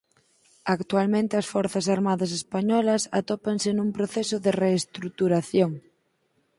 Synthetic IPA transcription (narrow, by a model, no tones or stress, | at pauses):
akt̪ualmẽnt̪ɪɐsfɔɾθɐsaɾmaðɐs̬espaɲɔlɐsa̰t̪opaŋsenumpɾoθesʊðereːst̪ɾut̪uɾaθjoŋ